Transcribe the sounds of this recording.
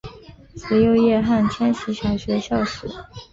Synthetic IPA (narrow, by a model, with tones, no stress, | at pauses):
t͡s̩˧˥jo˥˧ʊjɛ˥˧xa˥˩nt̪ʰjɛ˥nɕi˧˥ɕjɑ˨˩ɕɥɛ˧˥ɕjɑ˥˩ʊʂɻ̩˨˩˦